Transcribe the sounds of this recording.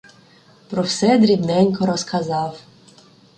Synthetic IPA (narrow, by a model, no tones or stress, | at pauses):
pɾɔwsɛd̪ɾʲibnɛnʲkɔɾɔskɐzɑw